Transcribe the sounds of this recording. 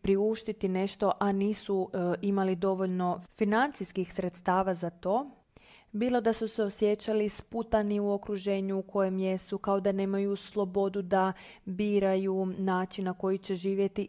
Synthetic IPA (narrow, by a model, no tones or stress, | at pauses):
pɾiuʃt̪it̪ine̞ʃt̪o̞ʔaniːsuimalid̪o̞ʋo̞ʎno̞finant̪siskixsɾe̞t̪st̪aːʋazat̪o̞ː | biːlˠo̞d̪asuse̞o̞sje̞t͡ɕalisput̪aniuo̞kɾuʒe̞ːɲuːkʰo̞je̞mje̞sukao̞d̪ane̞ːmajuslˠo̞bo̞d̪ud̪a | biːɾajunaːt͡ʃinnako̞jit͡ɕe̞ʒiːʋje̞t̪i